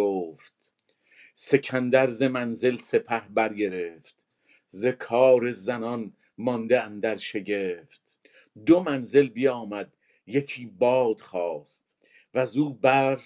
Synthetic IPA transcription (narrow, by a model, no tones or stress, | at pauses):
oːft̪ | se̞cʰænd̪æɾzemænze̞lse̞pʰæhbæɾɡe̞ɾeft̪ | zekʰɒːɾe̞zænɒn | mɒnd̪eænd̪æɾʃe̞ɟeːft̪ | d̪omænze̞lbijɒːmæd̪ | jecʰiːbɒːd̪̥χɒːst̪ | væzuːbæɾ